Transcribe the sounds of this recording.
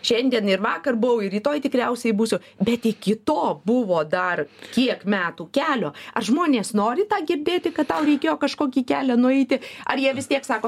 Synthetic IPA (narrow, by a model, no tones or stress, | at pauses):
ʃʲɛnʲd̪ʲiɛnɪɾʋɑːkɐrbʊʋɐʊɪrʲiːt̪oːjt̪ʲɪkɾʲɛʊsʲɛɪbuːsʲʊ | bʲɛt̪ɪkʲɪt̪oːbʊʋoːd̪ɐrkʲiɛkmʲæːt̪uːkʲæːlʲoːɐrʒmoːnʲeːsnoːɾʲɪt̪ɑːɡʲɪɾʲd̪ʲeːt̪ʲɪkɐt̪t̪ɐʊɾʲɛɪkʲeːjoːkɐʃkoːkʲiːkʲæːlʲænʊɛɪt̪ʲɪɐɾjiɛʋʲɪst̪ʲiɛksɑːkoː